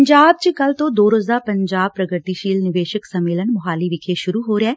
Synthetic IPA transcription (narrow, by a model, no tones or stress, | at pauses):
ɲd͡ʒaːb̚t͡ʃəkəlt̪õːd̪oːɾoːzaːpəɲd͡ʒaːb̚pɾəɡəɾt̪iʃiːlnɪʋeːʃəksəmːeːlənmʊɦaːliːʋɪkʰeʃʊɾuːɦoːɾeɛː